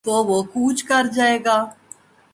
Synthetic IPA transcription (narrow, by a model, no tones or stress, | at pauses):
t̪oʋokuːt͡ʃkɐɾd͡ʒaːeːɡaː